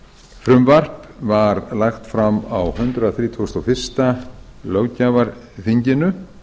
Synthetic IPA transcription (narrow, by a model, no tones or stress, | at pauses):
fɾʏmvar̥pvaɾlajxt̪fɾamawhʏnt̪ɾʏaθɾiːt̪ʰɔst̪ɔwfɪr̥st̪alœwcaːvaɾ | θiɲcɪnʏ